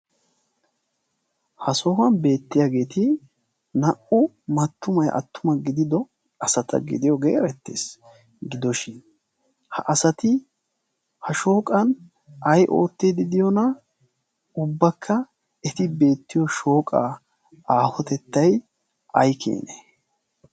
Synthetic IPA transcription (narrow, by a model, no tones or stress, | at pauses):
hɐsɔhɐnbe̞ːt̪ːɪjaːɡe̞ːt̪ɪ | nɐʔʊ | mɐt̪ːʊmɐjʔɐ̰t̪ːʊmɐɡɪd̪ɪd̪ɔ | ɐsɐt̪ʰɐ̰ɡɪ̰d̪ɪjɔɡḛːɾɛt̪ːḛːs | ɡɪd̪ɔʃɪn | hɐ̰ʔɐsɐt̪ɪ | hɐʃo̞ːkʼɐn | ʔɐjʔo̞̰ːt̪ːed̪ɪd̪ɪjɔnɐ | ʊbːɐkʰːɐ | ɛt̪ɪbe̞ːt̪ːɪjɔʃo̞ːkʼa̰ː | aːhɔt̪ɛt̪ːɐj | ʔɐjkʰḛːnɛ